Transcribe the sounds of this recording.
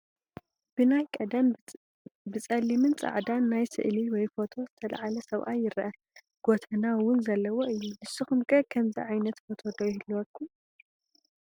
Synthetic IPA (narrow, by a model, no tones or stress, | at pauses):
b̥ɨnajkʼɐd̪an | bɨt͡sʼɐlːimɨnt͡sʼa̰ʕd̪anːajsɨ̰ʔliwɔjfo̞t̪ʰo̞zɨt̪ʰɐla̰ʕalɐsɐβʔa̰jɪɾʔɐ | ɡ̥ot̪ʰɐnawʊnzɐlːɐwo̞ʔɨjːulɨsɨxumkʼʰɐkʰɐmzḭʕajnɐt̪fo̞t̪ʰo̞d̪ojɪhɨlːuwɐkʰːum